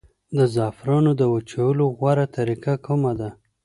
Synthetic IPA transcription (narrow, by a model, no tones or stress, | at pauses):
d̪əzɑfɾɑnod̪əwat͡ʃawəloɣwaɾat̪aɾikakumad̪a